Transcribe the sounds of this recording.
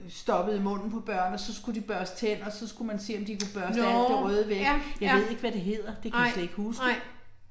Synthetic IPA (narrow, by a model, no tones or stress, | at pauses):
sd̥ɒ̽b̥əð̩ˠimɔ̽n̰n̩pʰɒ̽b̥ɶɐ̰nɒ̽sɒ̽sɡ̥udib̥ɶɐst͡sʰen̰ɒ̽sɒ̽sɡ̥umænse̝̰ːɒ̽md̥ikub̥ɶɐsʰæ̥eʁœːð̞ˠəʋeɡ̥jɑ̈ɪe̝ð̞̰ˠe̝ɡ̥ʋæɾ̥e̝ɦe̝ð̞̰ˠɐd̥ekʰæsæe̝ɡ̥husɡə